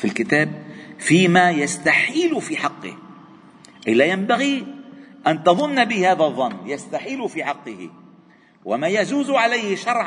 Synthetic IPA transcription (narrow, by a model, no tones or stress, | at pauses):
filkɪt̪aːb̚fiːmaːjast̪aħiːlʊfiːħɑqːɪ̰h | ʔɪlːajambaɣiʔant̪ɑðˤʊnːabɪhaːðaðˤːɑnːjast̪aħiːlʊfiːħɑqːɪhɪ̰ | wamaːjad͡ʒuːzʕalajhɪʃɑɾˤʕ